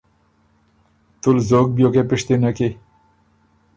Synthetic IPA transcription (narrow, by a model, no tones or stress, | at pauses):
t̪ulzok̚bjokepiʂt̪inake